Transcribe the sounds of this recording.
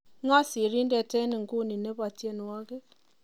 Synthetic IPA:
ŋɔ˦si˨ɾi˦ndɛ˨tɛ˦ni˨ŋ̩˨ɡu˦˨ni˨ne˦ba˨te˦nwɔ˦ɣe˦

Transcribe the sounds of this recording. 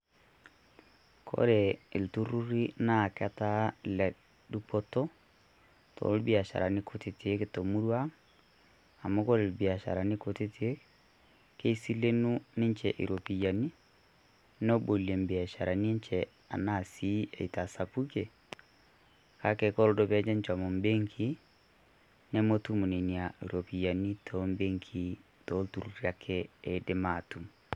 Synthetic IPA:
kʰo̰˦ɾe˨i˨ltu˦ɾu˦ɾi˦na˦˨kɛ˦ta˦lɛ˨ | du˦pɔ˦tɔ˦ | tʰo̰˨˦lbi˨a˨ʃa̰˨ɾa˨ni˦kʰo˦te˨ti˨e˦ke˨to˨mu˦ɾwa˦ŋ | a˨mo˦kɔ˦ɾe˨lbi˨a˨ʃa̰˨ɾa˨ni˦ko˨te˦ti˨˦e˦k | ke˦i˦si˦le˦nu˦nɪ˦nt͡ʃɛ˨ʔḭ˨ɾo˨pi˨ja˨ni˦ | no˦bo˨le˨mbi˨a˨ʃa˨ɾa˨ni˦ɲt͡ʃɛ | a̰˨na˦˨si˦e˨i˨ta˨sa˨pu˦ke˨ | ka˨˦kɛ˨ko˦ɾo˦do˨βɛ˦ɲɛ˦ɲt͡ʃa˨mo˨mbe˦ŋkʰi˦ | ne˦mo˦tu˦mu˨ni˨ni˨a˨i˨ɾo˨pi˨ja˨ni˦tʰo˦mbe˦ŋkʰi˨ | to˦tu˨ɾu˨ɾi˦a˨kʰɛ˦e˨de˦ma˨tu˨m

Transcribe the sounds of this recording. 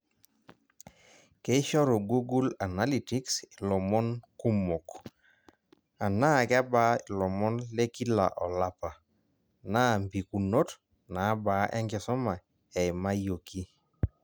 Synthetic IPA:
ke˦ʃɔ˦ɾo˨ɡu˦ɡu˦la˨na˦li˦ti˦ksi˨lɔ˨mɔ˦nku˦mo˨k | a˨na˦kɛ˦ba˦i˨lɔ˨mɔ˦nle˦ki˦la̰˨ʔɔ˨la˦pa˨ | na˦mbi˨ku˨no˦t | na˨˦ba˨˦ʔɛ˦ŋɡɛ˨sɔ˦ma˨ | ɛ˨i˨ma˦jo˨ki˦

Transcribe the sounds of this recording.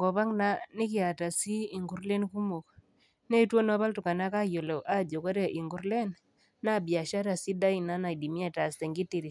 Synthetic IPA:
ŋɡɔ˨βa˦ŋna˦nɪ˦kɪ˦˨a˨ta˨siː˦˨ŋɡu˨ɾle˦nku˦mo˨k | ne˦two˦nɔ˦ba˦ltʊ˨ka˨na˦ka˦jo˨lɔ˨ʔa˦d͡ʒo˨kɔ˦ɾe˨ʔɪ˨ŋɡu˨ɾle˦n | na˦bja˨ʃa˦ɾa˨si˦da˦i˨na˦na˨di˨mja˦ta˨stɛ˨ŋɡɪ˦ti˨ɾi˨

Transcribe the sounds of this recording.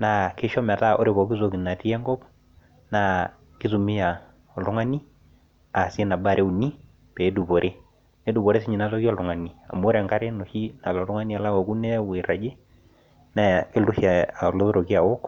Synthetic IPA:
na˦ke˦ʃɔ˦mɛ˨ta˦ʔo̰˦ɾe˨pɔ˨ki˦s̬o˨ki˨na˨ti˦ɛ˦ŋɡɔ˦p | na˦ | ki˦su˨mi˦ja˨ | ɔ˨ltʊ˦ŋa˦ni˦ | a˨si˦e˦na˨ba˦˨ɾʔe˦u˨ni˦ | pɛ˨˦du˨bɔ˨ɾʔe˦ | ne˦du˨bɔ˨ɾe˦s̬i˦ɲi˨na˦tɔ˦ki˦ɔ˨ltʊ˨ŋa˨ni˨a̰˨mː˦ɾɛ˨ŋka˦ɾe˦no˨ʃi˦na˨lɔ˨tʊ˦ŋa˦ni˦a˨la˦wɔ˨ku˦nɛ˦we˨ɾa˨d͡ʒe˦ | na˦ke˦lu˦hja˨a˨lo˦ðo˦ɾo˨ki˦a˨wo˦k

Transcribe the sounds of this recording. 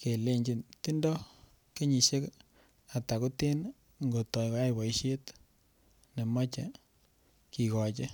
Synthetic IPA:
ke˨le˦ɲd͡ʒi˨nti˦ndɔ˦ | ke˦ɲi˨ʃe˦k | a˨ta˨ku˦te˦n | ŋɡo˨tɔ˨jkja˦jbɔ˨i˦ʃe˦t | ne˨ma˦t͡ʃe˨ | ki˨kɔ˨t͡ʃe˦

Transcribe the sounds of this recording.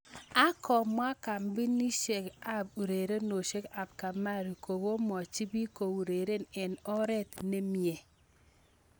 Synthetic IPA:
a˦kɔ˨mwa˦ka˨mbi˦ni˦ʃe˨ka˦b̚u˨ɾe˨ɾe˦no˨ʃe˦ka˨b̚ka˨ma˦˨ɾi˨ko˨ɡo˦mɔ˨t͡ʃi˦bi˦ko˨u˨ɾe˨ɾe˦nɛ˨nɔ˦ɾɛ˦t̪ne˦mje˨

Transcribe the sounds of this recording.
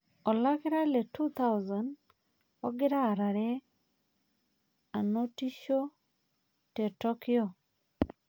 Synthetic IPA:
ɔ˨la˦kɪ˦ɾa˦le˨tu˦t̪a˦wza˨n | ɔ˦ɡɪ˦ɾa˦˨ɾa˨ɾɛ˦ | a˨no˦ti˦ʃo˦ | te˨tɔ˦kɪ˦o˨

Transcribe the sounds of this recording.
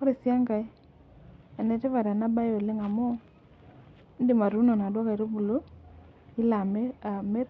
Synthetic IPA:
ɔ˦ɾi˨sja˦ŋɡa˨˦ | ɛ˨nɛ˨tɪ˦va˨ɾa˨na˦ba˦jo˨lɪ˦ŋa˨mɔ˦ | dɪ˨ma˨ɾu˦nɔ˨na˨dwɔ˦ka˨i˨ɾo˦bu˨lo˦ | i˦la˨˦˨mɛ˦r

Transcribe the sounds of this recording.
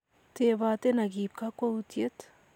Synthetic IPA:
t̪e˨βa˨t̪e˦na˨ɡi˨p̚ka˦kwa˦ut̪je˦t̪

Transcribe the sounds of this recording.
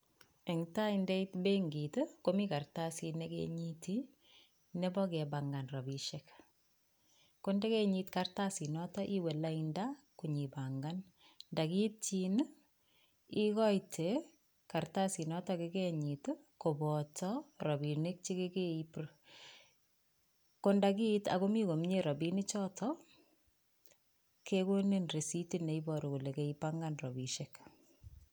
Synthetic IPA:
e˨ŋta˦inde˦itbe˦ŋɡi˨tkomika˨rtasi˧nekḛɲiti | ne˦bɔ˦ke˨baŋɡa˨nra˨bi˨ʃek | ko˦nde˦keɲitkartasi˨nɔtɔ˦ʔi˦we˨la˦inda | ku˨ɲi˨baŋɡan | nda˨ki˦tt͡ʃin | i˦kɔ˦jtʰe | ka˨rta˦si˨nɔ˦tɔkeke˦ɲi˨t | ko˨bɔtʰɔɾɔ˨bi˨ni˦k̚t͡ʃi˦ke˦ke˦ipr | ko˦nda˨ki˦ta̰˨ko˦mi˦ko˨m˦ɲe˦ɾɔ˨bi˦nɪ˦t͡ʃɔ˦tʰɔ | kʰeko˦nenre˨si˦tine˨i˦bɔɾu˨ku˨le˨ke˦i˦paŋɡanrɔ˨bi˨ʃek

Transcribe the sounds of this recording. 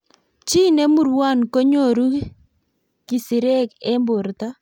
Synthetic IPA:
t͡ʃi˦ne˦mu˨ɾwa˦˨nko˦ɲo˦˨ɾu˦ | ki˨si˨ɾɛ˦kɛ˦mbʊ˨ɾt̪a˦

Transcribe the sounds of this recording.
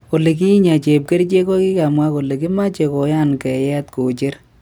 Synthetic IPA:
ko˨le˨k̬i˦ɲa˨t͡ʃe˨p̚ke˦ɾt͡ʃe˦kɔ˦ki˦ka˨mwa˦ko˨le˨ki˦ma˦t͡ʃe˨kɔ˨ja˦nkɛ˨jɛ˦tko˨t͡ʃe˦ɾ

